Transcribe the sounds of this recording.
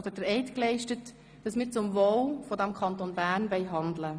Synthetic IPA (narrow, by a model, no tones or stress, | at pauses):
d̥̪əd̥əɾɛɪtklɛɪʃtət | d̥ɑsmɪːɾt͡sʊmvowfɔdæmkʰɑntonbæːɾnʋɛɪɦɑnd̪lə